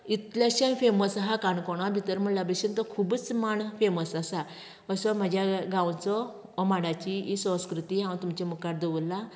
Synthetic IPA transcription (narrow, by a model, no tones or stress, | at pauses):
it̪ljaɕanfeməsɦakaɳkɔɽ̃abʱit̪əɾm̤əɳlabəɕənt̪ɔkʰubət͡smaɳfeməsasa | əsɔm̤ad͡ʑʱjaɡãwt͡sɔ | ɔmaɽat͡ɕiːsə̃wskɾut̪iɦãw̃t̪umt͡ɕemukaɾ̚d̪eʋulːa